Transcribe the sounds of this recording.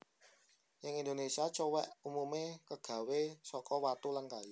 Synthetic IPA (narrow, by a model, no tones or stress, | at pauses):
jɪŋind̪onesiat͡ʃowɛʔumumekəɡ̥ä̤wesɔkɔwat̪ulankaji